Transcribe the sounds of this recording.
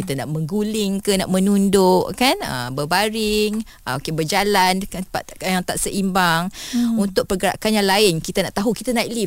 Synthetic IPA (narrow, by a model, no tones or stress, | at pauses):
it̪anaʔmə̃ŋɡulɪŋkənaʔmə̃nundoʔkanə̰mbəbaɾɪŋ | əokebərd͡ʒalankat̪ajaŋt̪aʔsəʔimbaŋunt̪ʊʔ̚pərɡəɾa̰ʔkanjaŋlaɪnkit̪anaʔt̪aɦukit̪anaikli